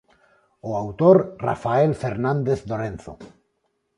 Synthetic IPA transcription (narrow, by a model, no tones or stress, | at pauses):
oawt̪oɾra̰faelfeɾnãnd̪eθd̪oɾẽnθo̰